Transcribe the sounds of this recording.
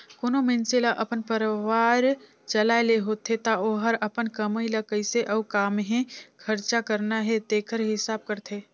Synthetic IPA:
koːnomenselaʔəpənpəɾʋaːɾ | t͡ʃəlaeleɦot̪ʰet̪aoɦəɾəpənkəməiləkəiseʔəːkaːmɦẽkʰəɾt͡ʃakəɾnaɦɛd̪eːkʰəɾɦɪsaːb̚kəɾt̪ʰeː

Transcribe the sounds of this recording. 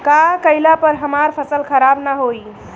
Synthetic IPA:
kakəjlapəɾɦəmaɾpʰəsəlkʰəɾabnaɦoj

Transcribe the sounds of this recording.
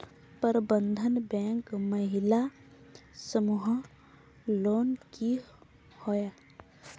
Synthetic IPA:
pəɾbənd̪ʱənbɛ̃ːŋkməɦɪla | səmuɦ | loːnki | hoja

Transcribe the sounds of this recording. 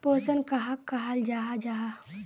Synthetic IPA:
poːsənkɐɦakːaɦald͡ʒaːɦad͡ʒaːɦa

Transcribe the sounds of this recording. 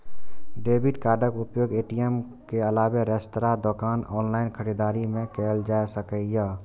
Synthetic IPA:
ɖeːbɪʈkaːɾɖəkʊpjoːɡeːʈijem | keəlaːweɾɛst̪ɾaːd̪okaːnɔːnlaːɪnkʰəɽiːd̪aːɾimẽkeːld͡ʒaːjsəkəjaː

